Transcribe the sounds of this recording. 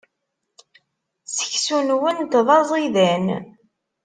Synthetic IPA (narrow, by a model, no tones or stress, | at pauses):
sə̥çsunwənt̪ðˤɑzˤiðæn